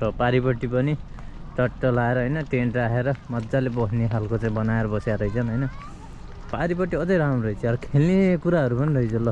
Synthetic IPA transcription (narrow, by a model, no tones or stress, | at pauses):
sʌpaɾipʌʈːipʌni | t͡sʌʈːʌlaeɾʌɦʌjnʌʈeɳʈraɦeɾʌmʌd̪d͡zalebʌkʰneɦalkot͡saĩbʌnaeɾʌbʌsjaɾʌjt͡sʰʌnɦʌjnʌ | paɾipʌʈːiʌd͡zʌjɾamʌit͡sʰʌʌɾʌkʰelnekuɾaɦʌɾupʌniɾʌɦid͡zʌlʌ